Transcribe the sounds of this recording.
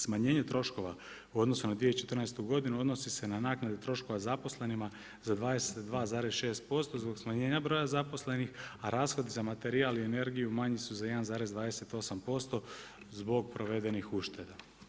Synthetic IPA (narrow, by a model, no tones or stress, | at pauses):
smaɲe̞ːɲet̪ɾo̞ʃko̞ʋa | uo̞d̪no̞sunad̪ʋiet͡ʃe̞t̪r̩naest̪uɡo̞d̪inuo̞d̪no̞sise̞nanaːknad̪e̞t̪ɾo̞ʃko̞ʋazapo̞sle̞nima | zad̪ʋaːd̪eset̪d̪ʋaːzaːɾezʃeːst̪̚po̞st̪o̞zbo̞ɡsmaɲe̞ːɲabɾo̞jazapo̞sle̞nixaɾaːsxo̞d̪izamat̪e̞ɾiaːliene̞ɾɡijumaɲisuzaje̞d̪anzaːɾe̞zd̪ʋaːd̪ese̞t̪o̞sampo̞st̪o̞ | zbo̞ɡ̚pɾo̞ʋe̞d̪e̞nixuʃt̪e̞d̪a